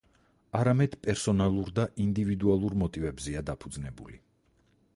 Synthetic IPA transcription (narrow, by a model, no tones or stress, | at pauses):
aɾamɛd̪̥pʼɛɾsɔnalˠuɾd̪aʔind̪ivid̪ualˠuɾmɔt̪ʼivɛbzɛad̪apʰud̪znɛbuli